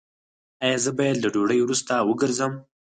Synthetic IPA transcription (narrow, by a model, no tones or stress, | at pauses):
ajɑzəbajad̪laɖoɽəjwɾust̪awəɡəɾzəm